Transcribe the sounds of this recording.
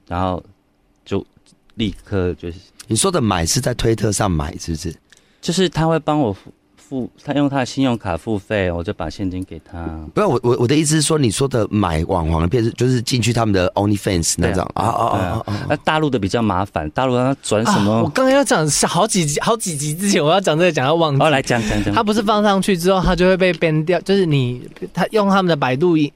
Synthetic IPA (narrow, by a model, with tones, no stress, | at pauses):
ɻa˧˥nxo˥˧ʊ | t͡ɕjo˥˨˩ʊ | li˥˧kʰɤ˥˧t͡ɕjo˥˧ʊni˨˩swɔ˦˥d̪ə˨ma˨˩ɪʂɻ̩˥˧t͡sa˥˩ɪt̪ʰwe˥ɪt̪ʰɤ˥˧ʂɑ˥˩ŋma̰˨˩˦ɪʂɻ̩˥˩bu˩ʂɻ̩˥˩ | t͡ɕjo˥˧ʊʂɻ̩˥˧t̪ʰa˥xwe˥˩ɪpɑ˥ŋwɔ˨˩ | fu˥˧t̪ʰa˥jŋt̪ʰa˥ə˨˩ɕi˥njʊ˥˧ŋkʰa˨˩fu˥˧fe˥˩ɪwɔ˨˩t͡ɕjo˥˩ʊpa̰˨˩ɕjɛ˥˨nt͡ɕi˧˥nke˨˩ɪt̪ʰa˦˥pu˧a˥˩wɔ˨˩wɔ˨˩wʔɔ˨˩d̪ə˦i˥˩s̬̩˥˩ʂwɔ˥ni˨˩swɔ˥d̪ə˨ma̰˨˩˦ɪwʔɑ̰˨˩ŋxwɑ̰˨˦ŋ˧pʰjɛ˥˧nʂ̩˥˧˩t͡ɕjo˥˧ʊʂ̬ɻ̩˥˧t͡ɕi˥˧nt͡ɕʰy˥˩t̪ʰa˦˥mə˨nd̪ə˩ʔo˧˥ʊni˧fɛ̰˥˨nsna̰˧˦˧t͡ɕjɑ̰˨˩ŋa̰˧ə˧t̪a˥˧lu˥˩d̪ə˩p̬i˨˩t͡ɕjɑ˥˩ʊma̰˧˥fa̰˨˦nt̪a˥˧lu˥˧˥a˥t͡swa˨˦nʂə˧˦nmə˧wɔ˨˩ka˥ŋkjʊt͡ɕjɑ˨˩ŋɕxɑ˧˥ʊt͡ɕi˨˩t͡ɕi˨˥xɑ˨˧˥ʊt͡ɕi˨˩t͡ɕi˨˥t͡sɹ̩˥˩t͡ɕʰɛ˧˦nwɔ˨˩jɑ˥˩t͡ɕjɑ˨˩ŋt͡sə˥˩ə˩t͡ɕjɑ˨˩ŋa˥˧wɑ˨˩ŋt͡ɕla˨˧ɪt͡ɕja˧˦ŋt͡ɕja˧˦ŋ˧˦t̪ʰa˥p̬u˧˥ʂ̬ɻ̩˥˩fɑ˥ŋʂɑ˥˧ŋt͡ɕʰy˥˩t͡sɻ̩˥t̪o˥˩ʊa˥t͡ɕjo˥˧ʊwe˥˧pe˥˧ɪpjɛ˥nt̪̬jɑ˥˧ʊt͡ɕjo˥˧ʊʂɻ̩˥˩ni˨˩ | t̪ʰa˥jʊ˥˩˨ŋt̪ʰa˥mə˨nd̪ə˩p̬a˨˩ɪt̪̬u˥˧i˨˩ŋ